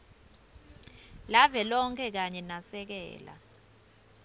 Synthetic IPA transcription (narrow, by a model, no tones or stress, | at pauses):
lavɛlɔŋkʰʼɛk̬aɲɛnasɛk̬ɛ̰ːla̰